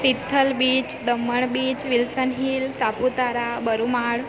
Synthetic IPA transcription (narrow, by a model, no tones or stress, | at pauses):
t̪it̪ʰːəlbit͡ɕd̪əmːəɳbiːt͡ɕʋilsənɦiːlt̪aput̪aɾabəɾumaɽ